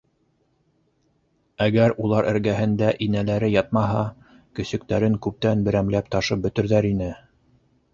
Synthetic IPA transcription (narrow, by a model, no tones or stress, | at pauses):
æɡæɾulˠɑɾʔɘ̆ɾɡæɦɘ̆nd̪æʔinælæɾɘjɑt̪̚mɑɦɑ | kɵ̆sɵ̆k̚t̪æɾɘŋkʉp̚t̪ænbɘ̆ɾæmlæpt̪ɑʃɤp̚bɵ̆t̪ɵ̆ɾðæɾinɘ